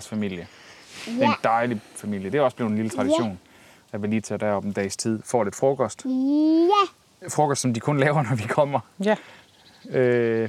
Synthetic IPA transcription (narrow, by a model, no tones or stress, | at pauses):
sfæmil̰jəd̥end̥ɑ̈ɪlifæmil̰jəd̥e̝hæɒ̽sb̥liːʊð̩ˠenlilət͡sʰʁɑ̈ɾ̥iɕo̝̰ːn | jæʋe̝liːt͡sʰed̥æɐɒ̽b̥nd̥ɛ̰ɪst͡sʰið̞̰ˠfɒ̰ːle̝d̥fʁɔ̽kʰɒsd̥ | fʁɔ̽kʰɒsd̥sɒ̽md̥ikʰɔ̽nlɛːʊɐnɒʋikʰɒ̽m̰ɐ | ø